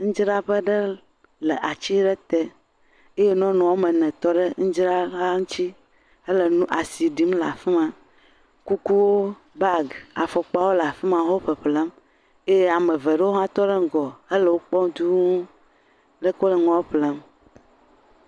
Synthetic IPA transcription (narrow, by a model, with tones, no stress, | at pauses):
ŋ̩̃˦d͡ʒɾa˦ɸə˦ɖe˦ | le˨ʔa˨t͡ɕi˦ɖe˦t̪e˦ | e˦je˦nɔ̃˦nɔ̃˨wo˦mẽ˨nɛ̃˨t̪ɔ˦ɖe˦ŋ̩˦d͡ʒɾa˦la˦ŋu˦t͡ɕi˦ | ə˦lə˨nũ˦ʔa˨si˨ɖi˦mla˨fi˦mã˨ | ku˦ku˦wo˦ | ba˦˨ɡa̰˨fɔ˨k͡pa˦wo˦lə˨a˨fi˦mã˨wo˦ɸə˨ɸlɛ˦m | e˦je˦a˨mẽ˨ve˨ɖə˦wo˦ɦã˦t̪ɔ˦ɖe˦ŋ˦ɡɔ˨e˦lə˨wo˦k͡pɔ˦d̪u˦ũ˦ | lə˦kɔ˦lɛ˨ŋɔ̃˦ɸlɛ˦m